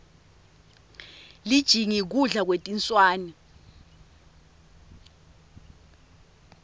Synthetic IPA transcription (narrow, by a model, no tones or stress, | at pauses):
lid̥ʒ̥ʱiŋik̬uɮak̬wetʼint͡sʼwaːnɛ